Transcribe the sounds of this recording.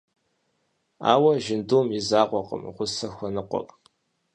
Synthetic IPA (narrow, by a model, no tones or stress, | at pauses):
a̰ːwɐʒɪnduːmjɪzaːqʷʼɔqʼə̰mʁʷʊsɐxʷɔnɨqʷɔ̰pʼ